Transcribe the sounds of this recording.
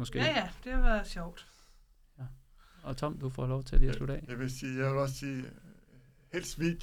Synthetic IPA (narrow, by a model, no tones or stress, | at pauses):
mɒ̽sɡ̥ḛjæd̥e̝hɑʋæɐðɕɒʊ̰d̥ | æ | ɒ̽t͡sʰɒ̽m̰d̥ufɒ̰lɒʊt͡sʰe̝d̥isluɾ̥ɛ̰ːeʋesiːjaʋelɒ̽ssiː | hḛːlsʋiɡ̥